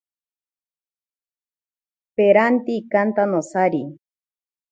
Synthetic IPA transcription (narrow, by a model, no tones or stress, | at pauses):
peɾant̪ikant̪anosaɾi